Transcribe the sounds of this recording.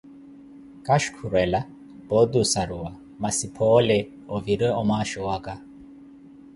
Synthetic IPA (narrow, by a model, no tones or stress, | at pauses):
kaʃkʰuɾɛla | b̥ɔd̪usaɾua | masipʰɔlɛ | ɔviɾɛɔmaʃɔwaka